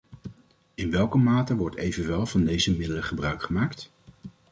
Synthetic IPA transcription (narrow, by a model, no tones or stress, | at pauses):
ɪnʋɛlˠkəmaːtəʋɔɹtejvənʋɛlˠvɑndejzəmɪdələχəbrœɥkχəmaːkt